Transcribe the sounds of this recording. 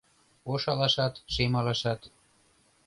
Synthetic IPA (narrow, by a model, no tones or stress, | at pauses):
oʃɑlɑʃɑt̪ʃemɑlɑʃɑt̪